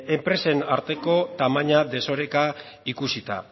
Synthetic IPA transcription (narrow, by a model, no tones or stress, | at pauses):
e̞mpɾe̞se̞naɾt̪e̞ko̞t̪amaɲad̪e̞so̞ɾe̞ka | ikusit̪a̰